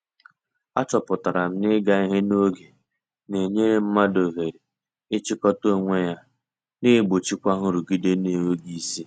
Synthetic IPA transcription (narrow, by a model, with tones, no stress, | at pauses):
a˦t͡ʃɔ˨pʊ˨ta˨ɾa˨m̩˦nɪ˦ɡa˦i˦ɦe˦no˦ɡe˨ | ne˨ɲe˦ɾe˦m̩˦ma˦do˨ɦe˨ɾe˨ | ɪ˦t͡ʃi˦kɔ˦to˦ŋʷe˦ja˦ | ne˦˨ɡ͡bo˨t͡ʃi˦kʷa˦ɦʊ˦ɾu˨ɡi˦de˦ne˨we˦ɡi˨˦si˦